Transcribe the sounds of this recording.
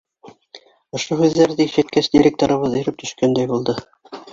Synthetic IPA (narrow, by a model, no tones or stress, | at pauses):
ŏʃohʉðːæɾðɘiʃæt̪̚kæsd̪ʲiɾʲek̚t̪oɾɤ̆βɤðɤ̆jɾɘp̚t̪ɵ̆ʃkænd̪æjbulˠd̪ɤ